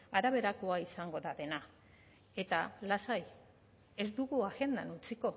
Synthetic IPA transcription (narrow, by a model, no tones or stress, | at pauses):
aɾaβe̞ɾako̞aisaŋɡo̞ɾaðe̞na | e̞t̪alasaj | e̞zd̪uɣuaɣe̞nd̪anut͡siko̞